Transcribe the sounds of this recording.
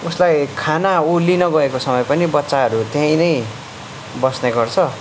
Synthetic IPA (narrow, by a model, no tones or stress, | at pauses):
uslajkʰanaulinʌɡʌekosʌmʌjpʌnibʌtːsaɦʌɾut̪jʌɦĩnʌj | bʌsneɡʌrt͡sʰʌ